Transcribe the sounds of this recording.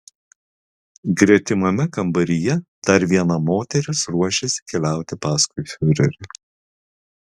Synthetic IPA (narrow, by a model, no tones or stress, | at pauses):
ɡɾʲiɛt̪ʲɪmɐmʲɛkɐmbɐɾʲɪjɛd̪̥ɐɾʋʲiɛnɐmoːt̪ʲɛɾʲʊsɾuɔʃʲesʲɪ̥kʲɛlʲæˑʊt̪ʲɪpɑːskʊɪfʲʊɾʲɛ̰ɾʲɪ